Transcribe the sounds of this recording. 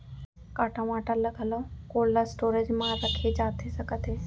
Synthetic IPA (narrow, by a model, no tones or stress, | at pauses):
kaːʈãʋaːʈəlləɡʱəlokoːllasʈoːɾəd͡ʑmãɾəkʰed͡ʒaːt̪ʰesəɡət̪ʰeː